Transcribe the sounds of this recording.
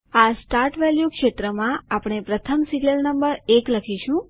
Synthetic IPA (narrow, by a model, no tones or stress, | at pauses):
asʈaɾʈʋɛljukʃet̪ɾəmãapɽ̃epɾət̪ʰəmsiɡnəlnəmbəɾekləkʰiʃũ